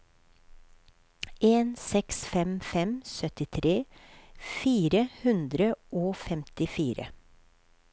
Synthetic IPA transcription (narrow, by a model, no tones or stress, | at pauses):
ʔeːnsɛksfɛmfɛmsœt̪ɪt̪ʰɾeː | fiːɾəhʉnd̪ɾəʔoːfɛmt̪ɪfiːɾə̰